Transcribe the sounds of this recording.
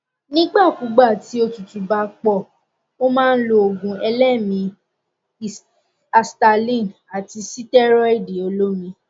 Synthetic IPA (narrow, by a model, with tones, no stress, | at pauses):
nĩ˦ɡ͡ba˦˨ku˨˦ɡ͡ba˦˨ti˨˦o˧tu˨tũ˨ba˨k͡pɔ˨ | o˦mãː˦n̩˦lo˧o˨ɡũ˨ɛ˧lɛ˦˨mĩ˧˦˨ | a˨sta˧lĩ˦˨n | a˨ti˧si˦tɛ˦ɾɔ˦i˦˨de˨o˧lo˦mĩ˧